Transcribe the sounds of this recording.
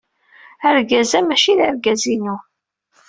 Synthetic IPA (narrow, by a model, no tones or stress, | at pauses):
əɾɡæzæmæʃiðəɾɡæzinu